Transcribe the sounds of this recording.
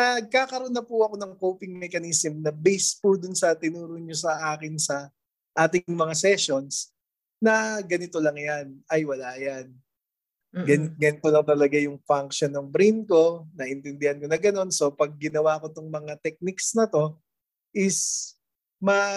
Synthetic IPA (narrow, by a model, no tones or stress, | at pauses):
nɐɡ̚kaːkɐɾonːɐpʊɐko̞nɐŋkowpɪŋmɛkɐnisɪmnɐbɛjspud̪ʊnsɐt̪ɪnuːɾʊɲos̬ɐʔaːkɪnsɐ | ʔaːt̪̬ɪŋmɐŋasɛʃo̞ns | nɐɡɐnɪt̪o̞lɐŋjanɐjwɐlaːjan | ɡɐnɡɐnɪt̪olɐŋt̪ɐlɐɡajʊŋfaŋkʃonːɐŋbɾinko̞nɐʔɪnt̪ɪnd̪ɪhɐnkonɐɡɐno̞nso̞pɐɡ̚ːɪnɐwako̞t̪oŋmɐŋat̪ɛk̚niksnɐt̪o̞ | ʔɪs | mɐ